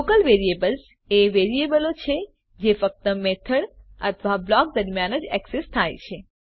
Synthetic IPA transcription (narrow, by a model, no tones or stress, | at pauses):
okəlʋeɾiebəls | eʋeɾiebəlot͡ʃʰe | d͡ʒefək̚t̪əmet̪ʰəɽə̰t̪ʰʋablɔk̚d̪əɾmjanəd͡ʒɛksest̪ʰajt͡ʃʰe